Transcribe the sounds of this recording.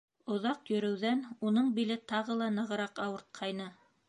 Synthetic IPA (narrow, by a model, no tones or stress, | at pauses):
ŏðɑqjɵ̆ɾɘ̆wðænunɤɴbilɘt̪ɑʁɤlˠɑnɤ̆ʁɤ̆ɾɑqɑwɤ̆ɾt̪̚qʰɑjnɤ